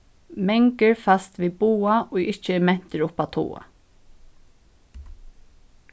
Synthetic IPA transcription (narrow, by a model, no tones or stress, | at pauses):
mɛŋkɪɹfast̪ʋiːbuːaʔɔːɣɪht͡ʃəmɛn̥t̪ɪɹʊpat̪ʰṵːa̰